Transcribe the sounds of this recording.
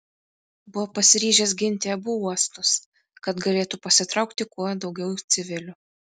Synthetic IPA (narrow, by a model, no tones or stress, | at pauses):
bʊʋɔpɐsʲɪɾʲiːʒʲesɡʲɪnʲt̪ʲeɐbuːuɔst̪ʊs | kɐt̪ɡɐlʲeːt̪upɐsʲɪt̪ɾɐʊkt̪ʲɪkuɔd̪ɒʊɡʲɛʊt̪sʲɪʋʲɪlʲʊ